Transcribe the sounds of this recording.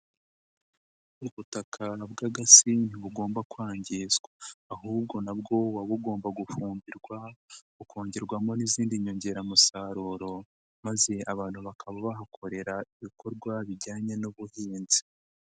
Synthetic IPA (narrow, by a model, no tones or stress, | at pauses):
uβutakʰabɡaɡasiniβuɡo̞ːmbakwaːɲɟiːzɡwaːɦuːb̚ɡo̞nabɡo̞waβuɡo̞ːmbaɡufuːmbiɾɡwa | ukoːɲɟeɾɡwamo̞niziːndiɲo̞ɲɟe̞ɾamusaɾuːɾo̞ | maze̞aβaːn̥huβakʰaβaβaɦakʰo̞ɾe̞ɾaiβiko̞ɾɡwaβiɟaːɲe̞nuβuhiːnzi̥